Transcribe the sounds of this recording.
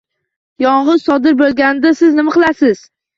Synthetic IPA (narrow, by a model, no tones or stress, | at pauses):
jɒɴʁɨz̥sɒd̪ɪɾbolˠɡʲanɪd̪asɪznɪmaqʰɨlˠasɪz̥